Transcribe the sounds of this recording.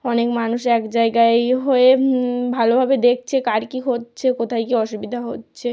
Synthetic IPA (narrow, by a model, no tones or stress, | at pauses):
ɔnekmanuʃɛkd͡ʑaeɡaeɦoebʱalobʱabed̪ek̚t͡ɕʰekaɾkiɦotːɕʰekot̪ʰajkiɔʃubid̪ʱaɦotːɕʰe